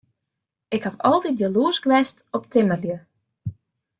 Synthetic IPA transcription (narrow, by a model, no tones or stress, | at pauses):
ɪkhafɔlˠtit̚jaluəskʋɛstɔptʰɪmərjə